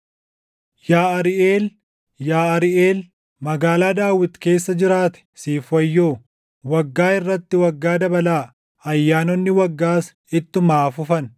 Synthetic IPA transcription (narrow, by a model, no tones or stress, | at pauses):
jaːɐɾɪʔeːl | jaːɐɾɪʔeːl | mɐɡaːlaːd̪aːwɪt̪ke̞ːsːɐd͡ʒɪɾaːt̪ɛ̥siːfɐjːoː | wɐɡːaːɪrːɐt̪ːɪwɐɡːaːd̪ɐbɐlaː | ɐjːaːnɔnːɪwɐɡːaːs | ɪt̪ːʊmaːfʊfɐn